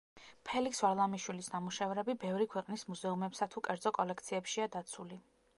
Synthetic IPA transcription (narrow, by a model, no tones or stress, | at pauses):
pʰɛliksvaɾlˠamiʃwilisnamuʃɛvɾɛbibɛvɾikʰwɛqʼnismuzɛumɛpsat̪ʰukʼɛɾd̪zɔkʼɔlɛk̚ʰt̪sʰiɛpʃiad̪at̪sʰuli